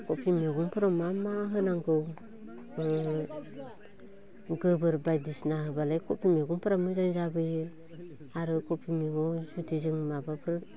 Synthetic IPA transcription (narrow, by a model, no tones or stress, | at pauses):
kopimeɡuŋpuɾamamaɦɯnaŋɡɯw | ɡəbɯɾbajdisnaɦɯbalajkopimeɡuŋpəɾamɨzanzabɯjɯ | aɾɯkopimiŋozutiziŋmabapʰɯɾ